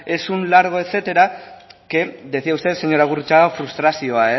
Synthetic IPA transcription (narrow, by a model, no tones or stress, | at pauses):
e̞sunlaɾɣ̞o̞e̞se̞t̪e̞ɾake̞ðe̞θiaust̪e̞se̞ɲo̞ɾaɣurut͡ʃaɣafɾust̪ɾasio̞ae